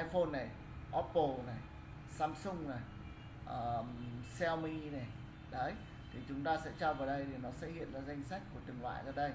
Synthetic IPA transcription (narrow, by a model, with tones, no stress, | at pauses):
ʔa˧jfo˧nːa˨˩j | ʔɔ˦˥pːo˧˩na˨˩j | saː˧msʊ˧ŋ͡mna˨˩j | ʔəː˨˩sɛ˧wmi˧na˨˩ | ɗə˨˦j | t̪ʰi˨˩t͡ɕʊ˨˦ŋ͡mt̪aː˧sɛ̰˧˥t͡ɕɔ˧vaː˨˩wɗə˧jɗe˨˩nɔ˨˦sɛ̰˧˥hḭ˧˨ənlaː˨˩za˧jŋ̟sa˦˥k̚ku˧˩ət̪ɨ˨˩ŋlwa̰ː˧˨jzaː˧˩ɗə˧j